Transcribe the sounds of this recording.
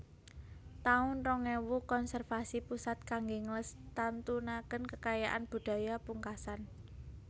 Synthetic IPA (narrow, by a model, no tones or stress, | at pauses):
t̪aʊnrɔŋewukɔnsɛrfasipusat̪̚kaŋɡeŋləst̪ant̪unakənkəkajaʔanb̥ṳɖ̪̥a̤japuŋkasan